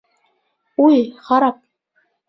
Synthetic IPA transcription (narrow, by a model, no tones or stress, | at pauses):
ujχɑɾɑp̚